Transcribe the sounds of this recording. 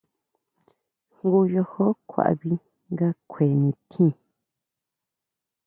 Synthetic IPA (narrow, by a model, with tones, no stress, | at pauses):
ŋɡu˦jo˧ho˦kʰʷa̰˨ʔβi˧ | ŋɡa˦kʷʰe˨nĩ˧t̪ʰĩ˦˨